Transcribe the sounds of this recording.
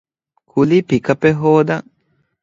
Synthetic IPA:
kʰulipikapeɦoːd̪a

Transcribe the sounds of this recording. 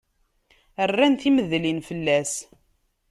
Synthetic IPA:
ərːænθiməðlinfəlːæs

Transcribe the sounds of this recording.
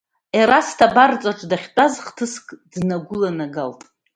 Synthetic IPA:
eɾastʰabart͡sʼaʈ͡ʂʼdaχʲtʼazχtʰɨskʼdnaɡʷʊlanaɡaltʼ

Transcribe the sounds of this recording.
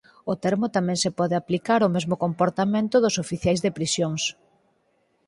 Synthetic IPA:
ʊt̪ɛɾmʊt̪amɛ̃ŋsɪpɔðeaplikaɾʊmezmokompoɾt̪amẽnt̪ʊðʊsofiθjajzðɪpɾisjoŋs

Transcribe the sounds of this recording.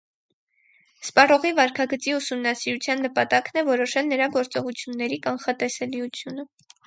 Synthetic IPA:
spɑrɔʁivɑɾkʰɑɡət͡siusumnɑsiɾut͡sʰjɑnːəpɑt̪ɑknɛvɔɾɔʃɛlnəɾɑɡɔɾt͡sɔʁut͡sʰjunːɛɾikɑnχɑt̪ɛsɛliut͡sʰjunə

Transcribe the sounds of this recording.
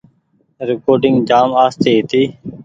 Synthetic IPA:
ɾɪkoːɾɖɪŋɡd͡ʒaːmaːst̪eːɦt̪iː

